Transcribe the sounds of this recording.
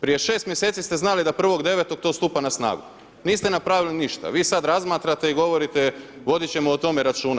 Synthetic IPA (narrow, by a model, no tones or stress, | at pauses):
pɾije̞ʃe̞ːst̪mje̞se̞ːt̪sist̪eznalid̪apr̩ʋo̞ɡd̪e̞ʋet̪o̞ɡ̚t̪o̞ːst̪upanasna̰ːɡṵ | niːst̪e̞napɾaːʋiliniʃt̪a̰ʋiːsad̪ɾazmaːt̪ɾat̪e̞iɡo̞ʋo̞ɾit̪e̞ʋo̞d̪it͡ɕe̞moːt̪o̞me̞ɾat͡ʃuːna